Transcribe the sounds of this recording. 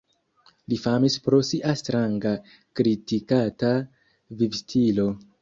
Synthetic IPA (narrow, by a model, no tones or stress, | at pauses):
lifamispɾo̞siʔastɾaŋɡa | kɾitikata | vivstʰilo̞